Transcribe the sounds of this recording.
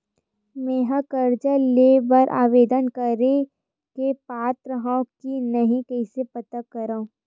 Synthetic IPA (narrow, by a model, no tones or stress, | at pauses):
meːɦakɐɾd͡ʒəlebɐɾʔa̰ːʋeːd̪ənkɐɾe | kepaːt̪ɾəɦãkinɐɦĩkɛɪsepɐt̪akɐɾaːũ